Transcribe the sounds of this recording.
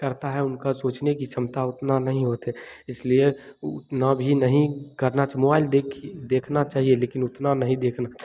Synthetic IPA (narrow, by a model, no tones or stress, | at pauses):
kəɾt̪aɦɛʊnkasoːt͡ʃnekit͡ʃʰəmt̪aʊt̪nanəɦĩɦoːt̪ɦɛɪslieʊt̪nabʱinəɦĩkəɾnat͡ʃamoːbaːɪld̪ekʰd̪eːkʰnat͡ʃaːɦieleːkɪnʊt̪nanəɦĩd̪eːkʰna